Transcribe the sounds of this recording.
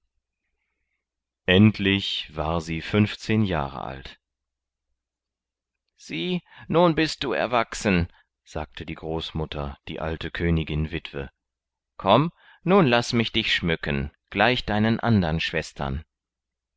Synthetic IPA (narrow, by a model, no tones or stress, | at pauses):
ʔɛntʰlɪçv̥aːɐziːfʏnft͡seːnja̰ːʁə̰ʔa̰lt | z̥iːnuːnbɪst̚d̥uːɛ̰ɐvaksən̩ | z̥a̰ːk̚tʰədiːɡʁoːsmʊtʰɐd̥ḭːʔaltʰəkʰøːnɪɡɪnvɪtv̥ə̰ | kʰɔm | nuːnlasmɪçd̥ɪçʃmʏkʰənɡ̥laɪçd̥aɪnənʔa̰ndɐnʃv̥ɛstʰɐ̰n